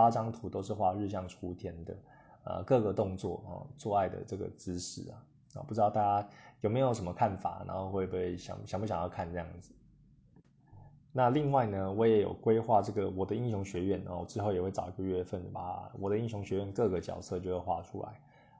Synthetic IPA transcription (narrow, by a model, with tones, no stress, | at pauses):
a˥ʈ͡ʂɑ˥ŋt̪ʰu˧˥t̪o˥ʊʂɻ̩˥˧xwa˥˧ɻ̩˥˧ɕ̬jɑ˥˩ŋʈ͡ʂʰu˥t̪ʰjɛ˧˥nd̪ə̰˨ | ə̰˨kɤ˥˩ɡə˨˩t̪ʊ˥˧ŋt͡swɔ̰˥˩ɔ̰˨˩t͡swɔ˥˧a˥˩ɪd̪ə̰˩ʈ͡ʂɤ˥˩ɡə̰˩t͡sɹ̩˥ʂɻ̩˥˩ɐ̰˩ | ɔ̰˨˩pu˥˩ɻ̩˥ɑ˥˧t̪a˥˩t͡ɕja˥jo˨˩me˧˥jo˧˥ʊʂə˧˦mə˧kʰa˥˩nfa̰˨˩na̰˧˥nxo˥˧ʊxwe˥˧ɪpe˥˩ɪ˩ɕjɑ̰˨˩ŋɕɑ˨˩ŋbpu˥ɕɑ˨jɑ˥˧ʊkʰa˥˧nʈ͡ʂɤ˥˧jɑ˥˩ŋd͡z̩˨˩ | na˥˧li˥˧ŋwa˥˩ɪnə˩wɔ˧˥jɛ˨˧˥jo̰˨˩ʊkwe˥ɪxwa˥˧ʈ͡ʂɤ˥˩ɡə˩wɔ˨˩d̪ə˦i˥˧ɕ̬jʊ˧˥ŋɕɥɛ˧˥ɥɛ˥˩n̰˨wɔ˨˩ʈ͡ʂɻ̩˥xo˥˩ʊjɛ˨˩xwe˥˩ɪʈ͡ʂɑ˨˩ʊi˧˥ɡə˧ɥɛ˥˧fə˥˩n˩a˨wɔ˨˩d̪ə˦i˥˧ŋɕjʊ˧˥ŋɕɥɛ˧˥ɥɛ˥˧nkɤ˥˧ɡə˩t͡ɕjɑ̰˨˩ʊsɤ˥˧t͡ɕjo˥˧ʊxwe˥˧ɪxwa̰˥ʈ͡ʂʰṵ˦la̰˧˦ɪ